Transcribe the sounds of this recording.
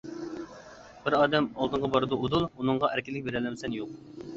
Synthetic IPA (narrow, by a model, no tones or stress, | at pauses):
b̥ɪɾɑːd̪ɛmɑlˠd̪ɨɴʁɑbɑɾɨd̪uʔud̪ulˠunɨɴʁɑʔæɾkʲilɪk̚ʲbeɾɪlɪmɪsɛnjoq